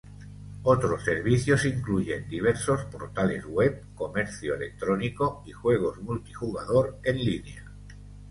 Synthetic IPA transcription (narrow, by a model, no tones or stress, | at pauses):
ot̪ɾosːeɾβ̞iθjosiŋkluʝe̞nd̪iβ̞eɾso̞spo̰ɾt̪ale̞̰zɣwep̚ko̞meɾθjoelek̚t̪ɾonikoixwe̞ɣ̞ozmult̪ixuɣaðoɾe̞nlinea